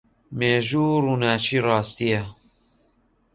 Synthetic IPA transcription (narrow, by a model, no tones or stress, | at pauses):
meːʒuːɾunaːt͡ʃiːɾɑːst̪ijɛ